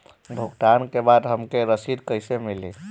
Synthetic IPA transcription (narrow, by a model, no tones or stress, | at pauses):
bʱuɡʈankebad̪ɦəmkeɾəsid̪kəjsemilḭ